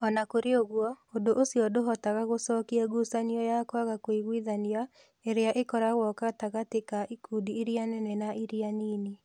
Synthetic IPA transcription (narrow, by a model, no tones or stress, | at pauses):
ɔnakoɾeoɣwɔodoʔosiɔdoɦɔtaɣaɣosɔːkiɛɡusaniɔjakwaɣakoiɣwiðania | eɾeaʔekɔɾaɣwɔkataɣatekaʔikuːdiːɾianɛnɛnaʔiɾianiːne